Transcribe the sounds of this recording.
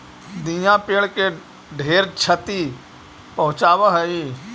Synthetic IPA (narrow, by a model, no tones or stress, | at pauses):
d̪ijãpeːɭke | ɖʱeːɾt͡ʃʰət̪i | pɐɦʊ̃t͡ʃaːʋəɦəi